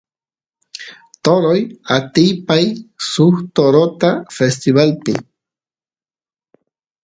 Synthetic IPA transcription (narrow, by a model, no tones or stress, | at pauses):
t̪oɾojat̪ijpajsuxt̪oɾot̪afest̪iβalpɪ̰